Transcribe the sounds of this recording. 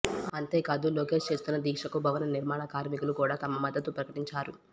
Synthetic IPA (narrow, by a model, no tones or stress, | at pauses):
ɐnt̪e̞ːkaːd̪uloːke̞ːʂt͡ʃe̞ːst̪unːɐd̪iːkʂɐkubʱɐʋɐnɐniɾmaːɳɐkaːɾmikulukuːɽaːt̪ɐmɐmɐd̪ːɐt̪upɾɐkɐʈiɲt͡ʃaːɾu